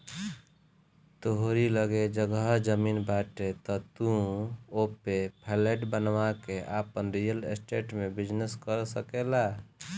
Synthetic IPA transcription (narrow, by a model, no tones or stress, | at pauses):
t̪oɦoɾiləɡed͡ʒəɡəd͡ʒəminbaʈet̪ɔt̪ũopepʰeleʈbənʋakeʔapənɾijəlesʈeʈmebid͡ʒneskəɾsəkela